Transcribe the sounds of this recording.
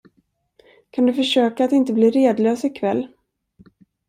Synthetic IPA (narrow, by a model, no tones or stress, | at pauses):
kʰand̪ɵfœʂøːkat̪ɪnt̪əbliːɾeːd̪løːsɪkʰvɛlː